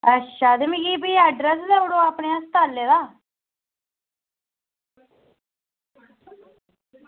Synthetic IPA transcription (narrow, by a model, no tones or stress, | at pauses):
əʃʰaːd̪miɡiːbiːɛːɖɾəsd̪ɛʊɽoːaːpɳeːãːsət̪aːlːeːd̪aː